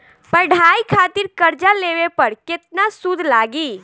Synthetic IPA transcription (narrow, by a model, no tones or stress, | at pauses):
pəɖʱaikʰat̪iɾkəɾd͡ʒaleʋepəɾket̪nasud̪ʱlaɡi